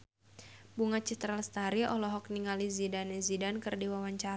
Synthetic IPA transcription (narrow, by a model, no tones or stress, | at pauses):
buŋat͡ʃit̪ɾalst̪aɾiʔɔlɔɦɔk̚niŋalizidanɛzidankɨrdiwawaɲt͡ʃa